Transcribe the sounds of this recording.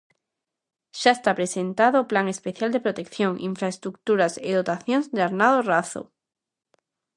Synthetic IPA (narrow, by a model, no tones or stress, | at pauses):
ʃaest̪apɾesent̪aðoplaŋe̞speθjald̪e̞pɾot̪ekθjoŋʔiɱfɾaest̪ɾuk̚t̪uɾaseðot̪aθjonzd̪eaɾnaðoraθo̰